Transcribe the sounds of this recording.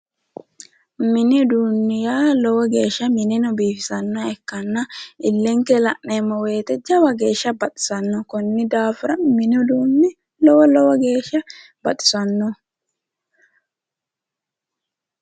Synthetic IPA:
mɪnɪd̪uːnːɪjaːlɔwɐɡe̞ːʃːɐmɪnɪnɔbiːfɪsɐnːɐɛkːɐnːɐʔɪlːɛŋkɛlɐʔneːmːɔwe̞ːt̪ɛd͡ʒɐwɐɡe̞ːʃːɐbɐt̪ʼɪ̥sɐnːɔkɔnːɪd̪aːfɪɾɐmɪnɪʊd̪uːnːɪ | lɔwɔlɔwɐɡe̞ːʃɐ | b̥ɐt̪ʼɪ̥sɐnːɔ

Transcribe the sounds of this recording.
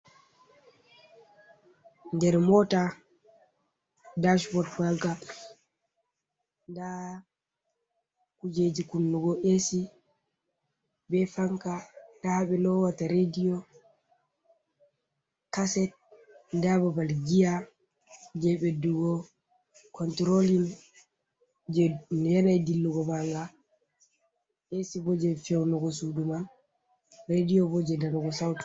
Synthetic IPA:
ndɛɾmɔta | daʃbɔtwalɡa | nda | kud͡ʒed͡ʒikunːuɡɔʔesi | bɛfaŋkataɓɛlɔwataɾedijɔ | kasɛt̚ | dababalɡija | d͡ʒɛɓɛduɡɔ | kɔntɾolin | d͡ʒɛjɛnajdilːuɡɔbaŋɡa | esibɔd͡ʒɛfɛwnɔɡɔs̬uduman | ɾedijɔbɔd͡ʒɛdanɔɡɔsawt

